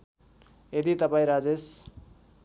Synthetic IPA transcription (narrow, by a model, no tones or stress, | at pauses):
ed̪it̪ʌpaĩɾad͡zes